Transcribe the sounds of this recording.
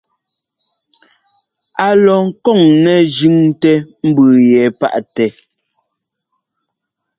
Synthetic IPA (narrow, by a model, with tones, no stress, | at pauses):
a˨lɔ˨ŋ̩˦kɔ˦˨ŋnɛ˨d͡ʒʉ˦ŋtɛ˦m̩˦bʉː˨jɛː˨˦pa̰˦ʔtɛ˨